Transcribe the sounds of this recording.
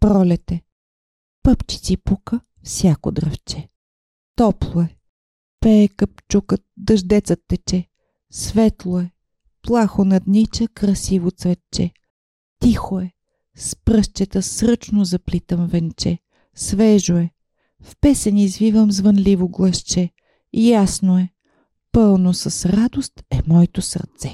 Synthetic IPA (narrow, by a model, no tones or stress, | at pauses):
pɾɔlʲɛt̪ɛ | pɤpt͡ʃi̥t̪sipukə | fsʲjako̰d̪ɾəft͡ʃɛ | t̪ɔplˠoɛ | pɛkəp̚t͡ʃukət̪d̪ɐʒd̪ɛt̪sət̪ːɛt͡ʃɛ | svɛt̪lˠoɛ | plˠaxonɐd̪nit͡ʃəkɾɐsivot̪svɛt̪t͡ʃɛ | t̪ixoɛ | spɾɤʃt͡ʃɛt̪əsɾɤt͡ʃnozɐplit̪əmvɛnt͡ʃɛ | svɛʒoɛ | fpɛsɛnʲizvivəmzvənlivoɡlˠəʃt͡ʃɛ | ijasnoɛ | pɤlˠnosɐsɾad̪ost̪ɛmɔɛt̪osə̰ɾt̪sɛ